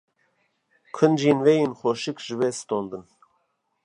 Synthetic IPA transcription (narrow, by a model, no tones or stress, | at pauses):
kʰɨnd͡ʒinvejinxoʃɨkʒɨvɛst̪ond̪ɨn